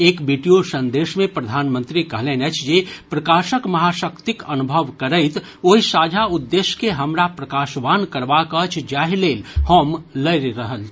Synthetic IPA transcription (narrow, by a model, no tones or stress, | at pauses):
eːkbiʈijosə̃nd̪eːʃmẽpɾəd̪ʱaːnmə̃nt̪ɾikəɦlẽnət͡ʃʰd͡ʒepɾəkaːʃəkmɐɦaʃəkt̪ikənubʱəʋkəɾəɪt̪ | oːɦisaːd͡ʒʱaʊd̪ːeːʃkeɦəmɾapɾəkaːʃʋaːnkəɾʋakət͡ʃʰd͡ʒaːɦileːlhoːmləɾɾəɦəl